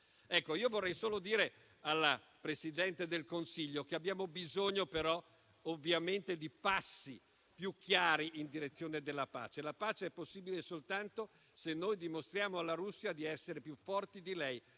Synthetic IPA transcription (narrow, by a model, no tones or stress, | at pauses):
ɛkːoiːovorːɛjsoːlod̪iːɾe | alːa | pɾesid̪ɛnt̪ed̪elkonsiʎːokeabjaːmobizoɲːopeɾɔ | ovːjament̪ed̪ipasːi | pjukːjaːɾiʔind̪iɾet̪sːjoːned̪elːapa̰ːt͡ʃelapaːt͡ʃeɛpːosːiːbilesolt̪ant̪o | senːojd̪imost̪ɾjaːmoalːaɾusːiad̪iɛsːeɾepjufːɔrt̪id̪ilɛj